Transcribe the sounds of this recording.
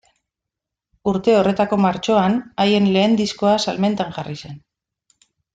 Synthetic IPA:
uɾt̪e̞o̞re̞t̪ako̞maɾt͡ʃo̞anaje̞nle̞ːnd̪isko̞asalme̞nt̪aŋʝarise̞n

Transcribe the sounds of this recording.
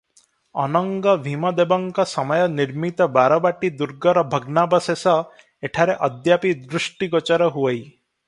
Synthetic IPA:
ɔnɔŋɡɔbʱimɔd̪ebɔŋkɔsɔmɔjɔniɾmit̪ɔbaɾɔbaʈid̪uɾɡɔɾɔbʱɔɡnabɔsesɔ | eʈʰaɾeʔɔd̪japid̪ɾuʃʈiɡɔt͡ʃɔɾɔɦuej

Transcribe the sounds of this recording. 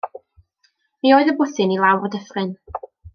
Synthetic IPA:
mioːɨðəbʊθɪnilˠawrɔdəfrɪn

